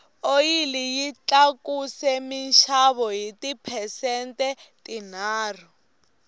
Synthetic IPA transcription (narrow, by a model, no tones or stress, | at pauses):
ojilijit͡ɬakusɛminʃaβɔɦitipʰɛsɛntʼɛtʼin̤aːr̤ɔ